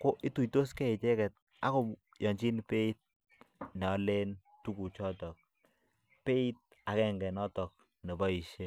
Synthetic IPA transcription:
ko˦ʔi˦tu˨jto˦skɛ˦i˨t͡ʃɛ˦kɛ˨t̚ | a̰˦ko˨ | jɔ˨ɲt͡ʃi˦npe˦i˦t̚ | nɛ˨ɔ˨le˦n | tu˦ku˨t͡ʃɔ˦tɔ˨k̚ | pe˦i˦t̚ | a˨kɛ˦ŋɡɛ˨nɔ˦tɔ˨k̚ | ne˨bɔ˦i˨ʃe˦

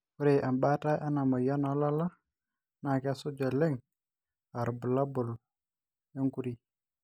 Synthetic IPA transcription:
ku˦ɾe˨ʔa˨mba˦ta˦ʔa˦na˨ma˨ja˦nɔ˨la˦la˦ | na˨kɛ˦sʊ˦d͡ʒɔ˨lɛ˦ŋ | a˨ɾbʊ˨la˦bʊ˨l | jo˦ŋku˦ɾi˨

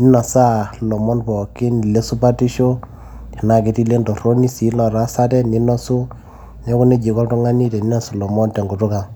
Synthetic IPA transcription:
ni˦na˨sa˦lɔ˨mɔ˦npɔ˨ki˦ni˨le˦su˦pa˦ti˦ʃo˦ | i˨na˨ke˨˦ti˦le˦ndɔ˨ɾo˦ni˦si˨˦lɔ˨ɾa˦sa˦tɛ˦ni˦nɔ˦su˦ | ne˦ku˦ne˦d͡ʒi˨kɔ˦ltu˦ŋa˦ni˦te˨ni˦na˨su˨lɔ˨mɔ˦ntɛ˨ŋɡu˨tʊ˦ka˨

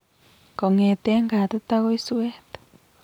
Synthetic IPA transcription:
ko˨ŋe˨t̪e˦ŋɡa˨t̪o˦t̪a˦ɣo˦i˦swe˦t̪o̥

